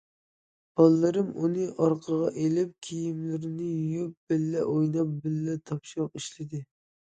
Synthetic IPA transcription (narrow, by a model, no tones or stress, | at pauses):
b̥ɑlˠːɨɾɨmunɨʔɑɾqʰəʁɑʔelɪp̚kʲʰijimlɪɾɪnɪjup̚b̥ɪlːɛʔojnɑp̚bɪlːɛt̪ʰɑpʃɑp̚iʃlɪd̪ɪ